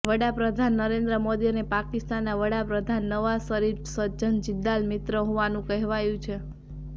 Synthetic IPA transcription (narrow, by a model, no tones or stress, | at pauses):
ʋəɽapɾəd̪ʱanːəɾend̪ɾəmod̪iənepakist̪anːaʋəɽapɾəd̪ʱanːəʋasəɾiɾsəd͡ʒənd͡ʒɪd̪ːalmɪt̪ɾəɦoʋanũkəɦʋajũt͡ʃʰe